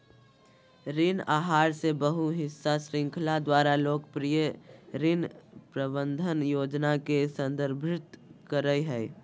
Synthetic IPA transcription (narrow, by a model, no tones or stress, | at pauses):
ɾɪnaːɦaːɾsebəɦuɦɪsːasɾɪ̃ŋkʰlad̪waːɾaloːkpɾijəɾɪnpɾəbənd̪ʱənjoːd͡ʒnakesə̃nd̪əɾbʱɪt̪kəɾəjɦɛ